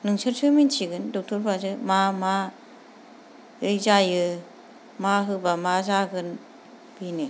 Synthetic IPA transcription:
nɯŋsɯɾsʰɯmint͡ʃʰiɡɯndɔk̚tʰɔɾpʰazɯmama | ɯjzajɯ | maɦɯbamazaɡɯn | binɯ

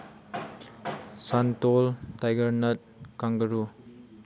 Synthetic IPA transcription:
santoltajɡɐɾnɐt̚kaŋɡɐɾu

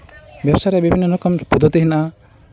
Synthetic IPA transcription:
bjabsaɾɛbibʱinːɔlɔkɔmpud̪ʱɔt̪iɦinaʔa

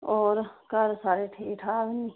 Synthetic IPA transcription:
ɔːɾkɐɾsaːɾeʈʰeːʈʰaːʋni

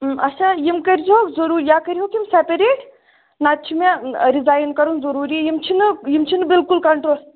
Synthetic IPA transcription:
ɐt͡ʃʰajimkɐɾd͡ʒiɦokzɐɾuːɾjaːkɐɾiɦokimsepɐɾeːʈ | nat̪̚t͡ʃʰimeɾizaːjnkɐɾunzɐɾuːɾiɛjimt͡ʃʰinɨjimt͡ʃʰinɨbilkulkɐɳʈɾoːl

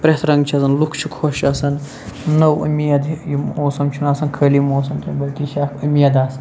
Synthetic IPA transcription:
pɾet̪ʰɾɐŋɡt͡ʃʰɐsɐnlukʰt͡ʃʰikʰoʃɐsɐnː | ɐwɐ̰mijɐd̪jioːsɐmt͡ʃʰunaːsɐnkʰəːljimoːs̬ɐmt̪ʰɐnbɐlkiʃakɐmijɐd̪aːsɐ̥

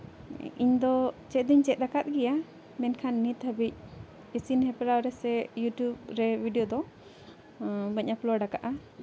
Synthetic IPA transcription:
ḭɲd̪ɔt͡ʃɛt̪̚d̪iɲt͡ʃɛt̪̚d̪akat̪̚ˀɡɛja | mɛnkʰanːit̪həbic̚ | isinhɛpɾawɾɛsɛjuʈjub̚ɾɛbʱiɖijɔd̪ɔ | bəɲaplɔɖakaʔa

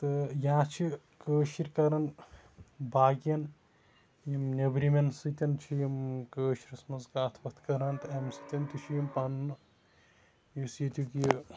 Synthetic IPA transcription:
t̪ɨjãːt͡ʃʰi | kəːʃiɾʲkɐɾɐn | baːɡjɐn | jimnʲɐbɾimɐnsɨt̪ʲɐnt͡ʃʰijmkəːʃiɾʲɐsmɐzkaːt̪ʰpɐt̪ʰkɐɾɐnt̪ɨɐmsɨt̪ʲɐnt̪ʲit͡ʃʰijimpɐnn | jusjit̪ʲukij

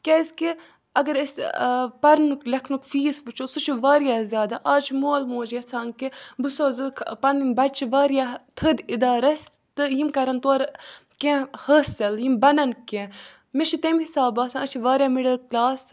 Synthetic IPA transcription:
kʲezki | ɐɡɐɾəsʲpɐɾnuklɐkʰnukfiːsʋɨt͡ʃʰosut͡ʃʰuʋaːɾjaːzʲjaːd̪aːʔaːt͡ʃʰmoːlmoːd͡ʒjɐt͡sʰãːnkibɨsoːzɨkʰpɐnimbɐt͡ʃʰiʋaːɾjat̪ʰəd̪id̪aːɾɐs | t̪ɨjimkɐɾɐnt̪oːɾkẽhəːsɐljimbɐnɐnkẽ | meʃʰit̪emhisaːbaːsãnət͡ʃʰiʋaːɾjamiɖɐlklaːs

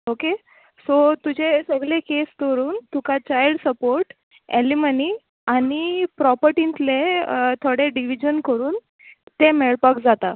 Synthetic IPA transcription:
oke | sot̪ud͡ʑʱesəɡɭekest̪əɾuːnt̪ukat͡ɕajlɖsəpoɾʈ | ḛliməni | anipɾɔpəɾʈint̪let̪ʰoɽeɖiʋid͡ʑənkəɾuːn | t̪emeɭpəkd͡zat̪a

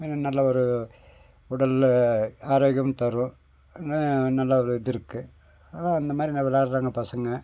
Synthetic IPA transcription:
pɛnːɐnɐlːɐɔɾɯ | ʊɽɐl | aːɾoːɣɐmt̪ɐɾʊ̃ | nnɐlːɐɔɾɯðɪɾɯkːɯ | aːnãːɐnd̪ɐmaːd̪ɾinɐʋɐlaːɾɾaːŋɡɐpɐsɐŋɡɐ

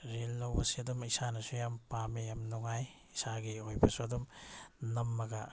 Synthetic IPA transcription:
ɾelːɐwbɐsiɐdumisanɐsujampamejamnuŋaj | isaɡiojbɐsuɐdumnɐmːɐɡa

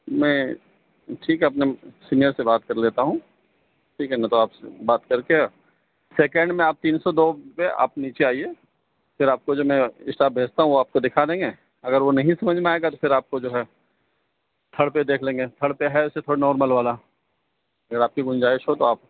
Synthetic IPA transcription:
mɛ̃ː | ʈʰiːkɦɛɐpnesiːnijəɾsebaːt̪kɐɾleːt̪aɦũː | ʈʰiːkɦɛnãt̪oaːpsbaːt̪kɐɾkeɔ | seːkɛ̃ɳɖmẽaːp̚t̪iːnsɔd̪oːpea̰ːpniːt͡ʃeaːieː | fɪɾaːp̚kod͡ʒoːmɛ̃ɪsʈaːb̚bʱeːst̪aɦũʋoaːp̚kod̪ɪkʰad̪ẽːŋɡe | ɐɡəɾʋonɐɦĩsɐməd͡ʒʱmeaeːɡat̪ofʰɪɾaːp̚kod͡ʒoːɦɛ | t̪ʰɐɽped̪eːkʰlẽːŋɡet̪ʰɐɽpeɦɛʊsːet̪ʰoːɽanɔːɾməlʋaːla | ɐɡəɾaːp̚keɡʊ̃nd͡ʒaːɪʃɦot̪oaːp̚

